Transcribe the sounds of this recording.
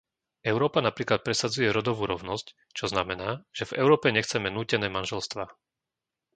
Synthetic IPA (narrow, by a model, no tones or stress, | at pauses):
ɛʊɾɔːpanapɾiːklat̪̚pɾɛsad͡zujɛɾɔd̪ɔʋuːɾɔʊnɔsc | t͡ʃɔznamɛnaːʒ̥ɛvɛ̰ʊɾɔːpɛɲɛxt͡sɛmɛnuːcɛnɛːmanʒɛlst̪ʋaː